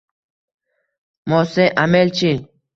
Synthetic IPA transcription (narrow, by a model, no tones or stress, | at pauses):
mɔsɛʔamɛlt͡ʃi